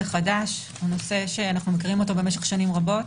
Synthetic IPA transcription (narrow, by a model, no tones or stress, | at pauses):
eχadaʃ | ono̞se̞ʃe̞anaχnumekiʁimo̞tobe̞meʃe̞χʃanimʁabo̞t